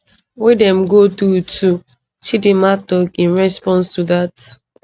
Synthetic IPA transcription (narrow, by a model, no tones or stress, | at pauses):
wɪdɛ̃mɡotutʰu | t͡ʃidimatɔkĩnɹɛspɔ̃nstuðat